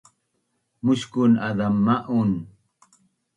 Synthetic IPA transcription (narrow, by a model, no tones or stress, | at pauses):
muʃkʊnad̪amːaʔun